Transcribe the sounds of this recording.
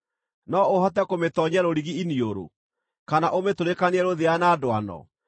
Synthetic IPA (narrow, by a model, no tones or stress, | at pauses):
nɔoɦatɛkometɔɲaɾoɾiɣiinioɾo̰ | kanaʔometoɾekaneɛɾoðeanaːdwa̰nɔ̰